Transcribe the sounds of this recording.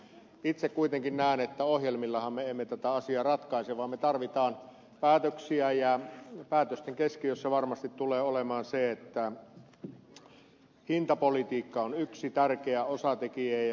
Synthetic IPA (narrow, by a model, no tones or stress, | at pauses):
it̪sekkuit̪eŋkinnæˑenet̪ːæohjelmilːɑhɑmmeemːet̪æt̪æɑsiɑːrɑt̪kɑˑiseʋɑːmmet̪ɑrʋit̪ɑːn | pæːt̪øksiæjæpæːt̪øst̪eŋkeskijosːeʋɑrmɑst̪it̪t̪uleːolemɑːnseet̪ːæ | hint̪ɑpolit̪iːkːɑonyksit̪ærkeæosɑt̪ekie